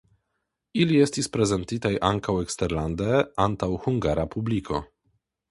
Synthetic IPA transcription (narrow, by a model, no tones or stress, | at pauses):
iliɛst̪ispɾezɛnt̪it̪ajʔaŋkawekst̪ɛɾland̪ɛant̪awhuŋɡaɾapublikʰo